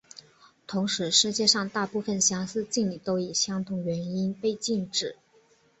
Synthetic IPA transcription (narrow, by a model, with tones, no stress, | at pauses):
t̪ʰʊ˧˥ŋʂɻ̩˧˥ʂɻ̩˥˧t͡ɕjɛ˥˧ʂɑ˥˧ŋt̪a˥˧pu˥˧fə˥˩nɕjɑ˥ŋsɹ̩˥˧t͡ɕi˥˩ŋli˨˩t̪o˥ʊi˨˩ɕjɑ˥ŋt̪ʰʊ˧˥ŋɥɛ˧˥ni˥npe˥˧ɪt͡ɕi˥˩nʈ͡ʂɻ̩˨˩˦